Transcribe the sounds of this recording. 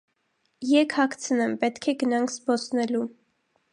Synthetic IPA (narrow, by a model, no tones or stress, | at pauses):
jɛkʰhɑkʰt͡sʰənɛmpɛt̪kʰɛɡənɑŋkʰsbɔsnɛlu